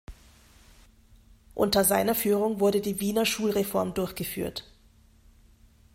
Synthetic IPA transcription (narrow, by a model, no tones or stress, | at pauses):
ʔʊ̰ntɐzaɪnɐfyːʁ̞ʊŋvʊɐɾədiːviːnɐʃuːlʁefɔɐmdʊɐçɡ̥əfy̰ːɐt